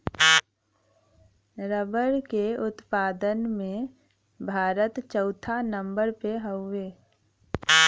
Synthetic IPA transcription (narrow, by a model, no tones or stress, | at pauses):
ɾəbəɾkeʊt̪paːd̪ənmẽ | bʱaːɾət̪t͡ʃəʊt̪ʰanə̃mbəɾpeɦəʊːeː